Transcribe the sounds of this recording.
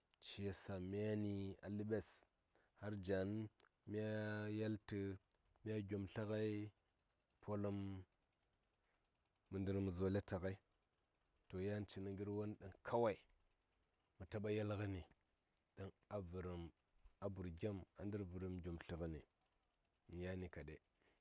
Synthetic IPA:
t͡ʃi˦je˨sa˨m˦a˦ni˦a̰˨li˦ɓe˦s | ha˦ɾd͡ʒa˨n | mʲ˦a˦ja˦ltə˦ | mʲ˦a˦ɡʲo˨mɬa˦ka˦i˦ | pʰo˦lə˦m | u˨ndi˦ɾm˨zo˨le˦ta˨ɣa˦i˦ | to˨ja˦n˦t͡ʃi˨ni˨ŋɡi˦ɾwo˦n˦ɗə˨ŋkʰa˦wa˦i˨ | mu˨ta˦ɓa˦ja˦lɣi˦ni˨ | ɗa˦n | a˨vu˨ɾi˨m | a˨bu˨ɾɡʲa˦ma̰˨ndi˦ɾvu˨ɾə˨mɡʲo˨mɬi˨ɣə˦nḭ˨ | n˨ja˦ni˨ka˨ɗḛ˨

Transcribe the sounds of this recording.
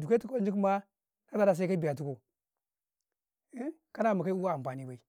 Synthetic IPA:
du˨ke˦tu˦ko˦n˦d͡ʒi˦kma˦ | na˦ta˦da˨s̬a˦i˦ka˦bi˨a˨t̬u˦ko˨˦ | ka˦na˦ma˨ka˦i˦u˦wa˦a˨m˨pa˨ni˦ba˨i˨

